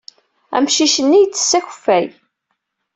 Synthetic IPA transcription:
æ̰mʃiʃənːijt͡sːə̥sːæçə̥fːæj

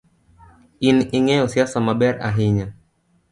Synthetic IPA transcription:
inʔiŋɛɔsiasamaɓɛɾa̰ɦiɲa

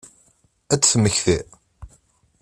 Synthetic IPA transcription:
æt͡sːθməçθi

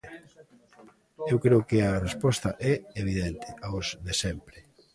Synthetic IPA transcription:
ewkɾeʊkɪarespɔst̪ɐʔɛeβ̞iðɛnt̪ɪ̥aozðesɛmpɾɪ

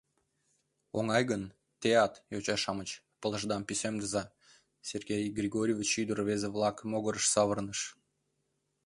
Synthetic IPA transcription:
oŋɑjɣən | t̪eɑt̪jot͡ɕɑʃɑmət͡ɕ | pələʒd̪ɑmpisemd̪əzɑ | serɡʲejɡrʲiɣoɾʲiovʲit͡ɕyd̪əɾβezeβlˠɑkəmoɣəɾəʃsɑβərnəʃ

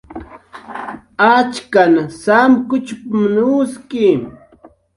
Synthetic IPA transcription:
at͡ʃkanasamkʊt͡ʃpamnuskɪ

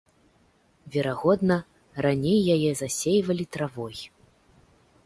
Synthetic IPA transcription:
vʲɛɾaɣɔd̪nɐ | ranʲejːajɛzasʲejvɐlʲit̪ɾavɔj

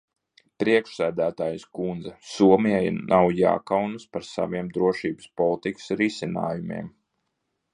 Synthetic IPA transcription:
pɾiɛkʃsæːd̪æːt̪aːjskund̪zasuɔmiɛjnʔawja̰ːkawnɨspaɾsa̰ʋiɛmd̪ɾuɔʃiːbɨ̥spɔlˠit̪ikɨ̥sɾisʲina̰ːjumḭɛm

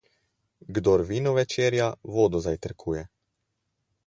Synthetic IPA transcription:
ɡd̪ɔɾʋiːnɔʋɛt͡ʃeːɾjaʋoːd̪ɔzajt̪əɾkʰuːjɛ

